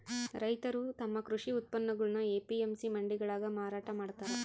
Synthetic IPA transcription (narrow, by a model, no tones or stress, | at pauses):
ɾɐjt̪ɐɾut̪ɐmːɐkɾuʂiut̪̚pɐnːɐɡɐɭɐnɐeːpiemsimɐɳɖiɡɐɭaːɡɐmaːɾaːʈɐmaːɽt̪aːɾe